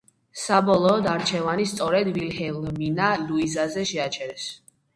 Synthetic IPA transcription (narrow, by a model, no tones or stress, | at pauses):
sabɔlˠɔːd̪aɾt͡ʃʰɛvanist̪sʼɔɾɛd̪vilhɛlˠminaluizazɛʃɛat͡ʃʰɛɾɛs